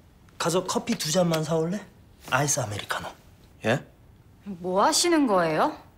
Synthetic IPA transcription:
kasʰʌkʰʌpʰitud͡ʑanmans̬ʰauɭːe | ais͈ɯameɾikʰano | je | moaɕʰinɯnɡʌe̞jo

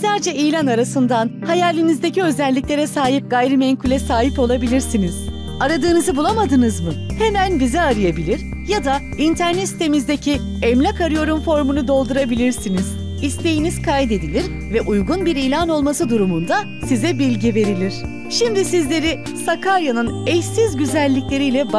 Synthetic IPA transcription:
sæɾd͡ʒɛijlʲanaɾasɯnd̪anhajalʲːinizd̪e̞ciø̞zɛlʲːiclʲe̞ɾɛsaːɦip̚ɡajɾɯmɛɲkʰulʲɛsaːɦipo̞lˠabilʲiɾsiniz̥ | aɾad̪ɯːnɯzɯbulˠamad̪ɯnɯzmɯhe̞mænbizɛaɾɯjabilʲiɾ | jad̪a | int̪ʰæɾnɛt̪st̪ʰe̞mizd̪ecʰi | ɛmlʲakaɾɯjo̞ɾumfo̞ɾmunud̪o̞lˠd̪uɾabilʲiɾsiniz̥ | ist̪e̞jinizkʰajd̪e̞d̪ilʲiɾ | vɛʔujɡunbiɾijlʲano̞lˠmasɯd̪uɾumund̪a | sizɛbilʲɟive̞ɾilʲiɾ̥ | ʃimd̪isizlʲe̞ɾi | sakʰaɾjanɯnɛjsizɟyzælʲːiclʲe̞ɾijlʲɛb

